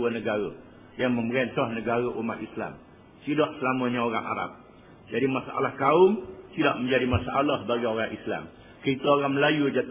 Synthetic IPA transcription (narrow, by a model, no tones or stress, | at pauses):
ənəɡaɾə | jaŋmə̃mbəɾɛnt̪ɔhnəɡaɾəʔumat̪̚isla̰m | sidaʔsəlamə̃ɲaoɾa̰ŋʔa̰ɾa̰p̚ | d͡ʒadimasaʔa̰lahkaʊmt̪idaʔmə̃ɲd͡ʒadimasaʔalahbaɡajoɾaŋʔisla̰m | kəit̪əoɣaŋməlajud͡ʒa